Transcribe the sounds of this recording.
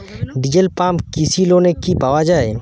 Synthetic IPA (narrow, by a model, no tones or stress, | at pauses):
ɖɪd͡ʒəlpãːmkisiloːnekibawad͡ʒaːe